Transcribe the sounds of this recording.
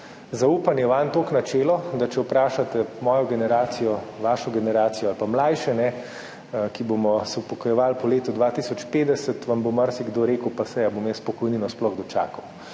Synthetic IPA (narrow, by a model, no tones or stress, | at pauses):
zauːpanjɛʋant̪oknat͡ʃɛːlɔd̪at͡ʃɛwpɾaːʃat̪ɛmɔːjɔɡɛnɛɾaːt̪sijɔʋaːʃɔɡɛnɛɾaːt̪sijɔalpamlajʃɛnɛ | kibomɔsɛwpɔkɔjɛʋalpɔleːt̪ɔd̪ʋat̪isɔt͡ʃpeːd̪ɛsət̪ʋamboməɾsiɡd̪oːɾeːkəwpasɛjabomjɛspɔkɔjninɔsplɔɣd̪ɔt͡ʃa̰ːkɐw